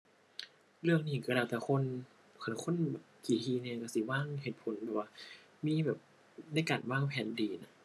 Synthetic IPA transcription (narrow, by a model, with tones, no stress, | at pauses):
lɯ˥˩əŋniː˧˩ka˧ɾaː˧˩wt̪ɛː˧˩kʰo˧˥˨n | kʰa˧˩kʰo˧˥˨nbɛː˨˩p̚kiː˨˩hʰiː˧˦nɛː˧˨ka˧˩si˧˦waː˧˥˨ŋhe˨˩t̪̚pʰo˨˦nbɛː˨˧˩p̚waː˧ | miː˧˥˨bɛː˨˩p̚ | na˧˥jkaː˨˩nwaː˧˥˩ŋpʰɛː˨˩˦ndiː˨na˧˦